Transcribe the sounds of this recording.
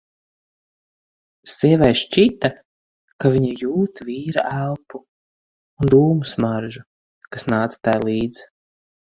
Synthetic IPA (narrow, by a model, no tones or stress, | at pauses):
siɛvɛjʃt͡ʃit̪a | kaviɲijuːt̪viːɾa̰ʔælˠpuː | nd̪uːmusmaɾʒu | kasnaːt̪sḁt̪ajlˠiːd̪z̥